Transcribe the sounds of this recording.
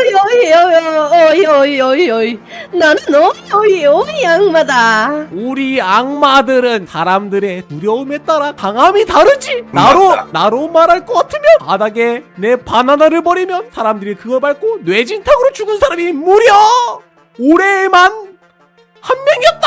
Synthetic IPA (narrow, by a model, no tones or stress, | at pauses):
iʌiʌʌiʌiʌiʌi | nanɯnʌiʌiʌiaŋmadauɾiaŋmadɯɾɯnsʰaɾamdɯɾe̞nuɾjʌume̞t̚t͈aɾakaŋɦamitaɾɯd͡ʑinaɾonaɾomaɾɦaɭk͈ʌk͈atʰɯmjʌnpadaɡe̞ne̞pananaɾɯɭpʌɾimjʌnsʰaɾamdɯɾikɯɡʌɭbaɭk͈onwe̞d͡ʑintʰaɡɯɾot͡ɕuɡɯnsʰaɾamimuɾjʌ | oɾe̞man | hanmjʌŋiʌt̚t͈a